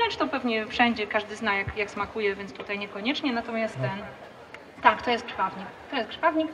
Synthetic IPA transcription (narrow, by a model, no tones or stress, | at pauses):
ɾɛnt͡ʂt̪ɔpɛvɲɛfʂɛɲd͡ʑɛkaʐd̪ɘznajakjaksmakujɛvʲjɛnt̪t̪ut̪ajɲɛkɔɲɛt͡ʂɲɛnat̪ɔmʲjast̪t̪ːɛn | t̪akt̪ɔjɛst̪̚ʂvavɲikt̪ɔjɛst̪̚ʂvavɲik